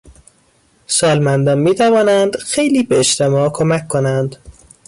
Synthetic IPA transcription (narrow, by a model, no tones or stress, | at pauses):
sɒːlmænd̪ɒːnmiːt̪ʰævɒːnænd̪xe̞jliːbeeʃt̪ʰe̞mɒːkʰomækʰkːonænd̪